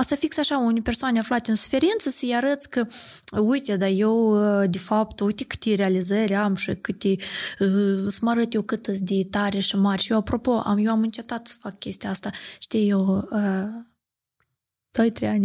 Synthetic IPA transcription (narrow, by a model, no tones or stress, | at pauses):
ast̪afiksaʃaunʲpʲersoanʲeaflat̪ʲeɨnsu̥fe̞ɾint̪səsəjaɾət̪sʲkəujt̪ʲed̪ajewd̪efapt̪ujt̪ekɨ̥t̪eɾealizəɾʲamʃikɨt̪ʲe | səmaɾət̪jewkɨt̪ɨt̪s̬ʲd̪ʲet̪aɾʲeʃɨmarʲʃijewapɾo̞po̞ʔa̰mjewamɨnt͡ʃe̞t̪at̪sə̥fakkʲe̞st̪ijaast̪aʃt̪ijewə | d̪̥o̞jt̪ɾejanʲ